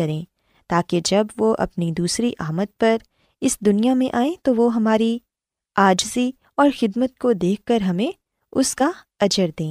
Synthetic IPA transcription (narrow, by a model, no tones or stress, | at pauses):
ɐɾẽː | t̪aːked͡ʒɐbʋoʔɐ̰pnid̪uːsɾiʔaːmət̪̚pɐɾ | ɪsd̪ʊnijamẽʔaːẽt̪oʋoɦɐmaːɾi | aːd͡ʒzi | ɔːɾxɪd̪mət̪̚kod̪eːkʰːɐɾɦɐmẽ | ʊska | ɐd͡ʒəɾd̪ẽː